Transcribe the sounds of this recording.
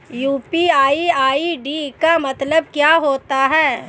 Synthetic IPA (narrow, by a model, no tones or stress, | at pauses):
juːpiaːiaːiɖikamɐt̪ləb̚kjaːɦoːt̪aɦɛː